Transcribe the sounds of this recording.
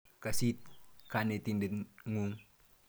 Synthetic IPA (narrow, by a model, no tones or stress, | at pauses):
kasit̪̚kanet̪indət̪ŋuŋ